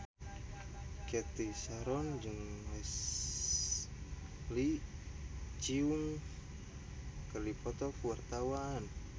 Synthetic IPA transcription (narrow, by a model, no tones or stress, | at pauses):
kɛt̪isaɾɔnd͡ʒɨŋwɛs | li | t͡ʃiuŋ | kərdipɔt̪ɔkuwart̪awan